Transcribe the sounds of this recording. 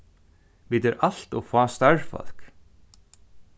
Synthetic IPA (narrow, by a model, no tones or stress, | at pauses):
viːt̪ɛɾʔal̥t̪ɔɣfaːst̪aɹfɔ̰l̥k